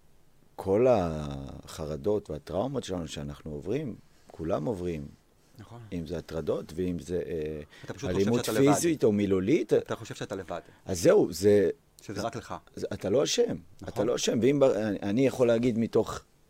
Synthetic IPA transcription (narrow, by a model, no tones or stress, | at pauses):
kʰo̞la | χaʁado̞tveatʁaumotʃelanuʃeanaχnuovʁim | kʰulamo̞vʁim | imzeatʁado̞tveimzeʔt̪aʃualimudd̪fidzit̪omilolit̪oʃet̪aevad̥ʔazːe̞uze̞ | aklaat̪alo̞aʃematalo̞aʃe̞mveimbaʔanijaχo̞leaɡid̪mito̞χ